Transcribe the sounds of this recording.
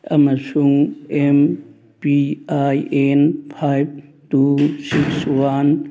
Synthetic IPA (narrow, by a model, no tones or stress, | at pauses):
amasuŋɛm | piajɛnpʰajb̚tusikswan